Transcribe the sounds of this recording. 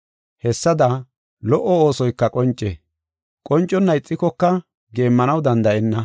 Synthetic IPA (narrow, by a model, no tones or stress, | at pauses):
hɛsːɐd̪ɐ | lɔʔːɔoːsɔjkːɐkʼɔnt͡ʃʼːeː | kʼɔnt͡ʃʼːɔnːɐɪt͡sʼːɪkɔkːɐ | ɡe̞ːmːɐnɐwd̪ɐnd̪ɐʔɛnːɐ